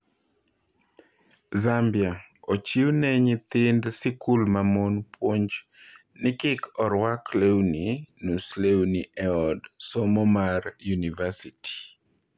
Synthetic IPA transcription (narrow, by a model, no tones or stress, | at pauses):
zambja | ot͡ʃiwnɛɲit̪ɪndsɪkulmamonpʰwoɲd͡ʒ | nɪkɪkʰɔɾwaklewninuslewniʔɛɔdsɔmɔmarjunivasiti̥